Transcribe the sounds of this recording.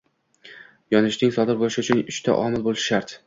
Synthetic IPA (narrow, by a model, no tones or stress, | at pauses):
jɒnɪʃnɪŋsɒd̪ɪɾbolɪʃɪʊt͡ʃʰʊnʊʃt̪ʰa̰ʔɒmɪlˠbolˠʃɪʃaɾt̪